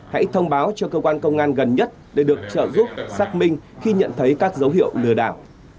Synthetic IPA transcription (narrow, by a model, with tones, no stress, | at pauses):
ha̰˧˥jt̪ʰə˧wŋ͡mɓaː˨˦wt͡ɕɔ˧kəː˧kwaː˧nkə˧wŋ͡mʔaː˧nɣə˨˩nɲə˦˥t̚ɗe˧˩ɗɨ˨˩ək̚t͡ɕə̰ː˧˨zu˦˥p̚saː˦˥k̚mï˧ŋ̟xi˧ɲə̰˧˨nt̪ʰə˨˦jkaː˦˥k̚zə˨˦wɦḭ˧˨əwlɨ˨˩əɗa̰ː˧˩w